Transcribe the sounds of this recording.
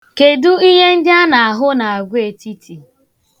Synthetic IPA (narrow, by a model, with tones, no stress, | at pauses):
ke˨du˦i˦ɦe˦n̩˦dɪ˦a˦na˨a˨ɦʊ˦na˨a˨ɡʷe˨ti˦tʰi˨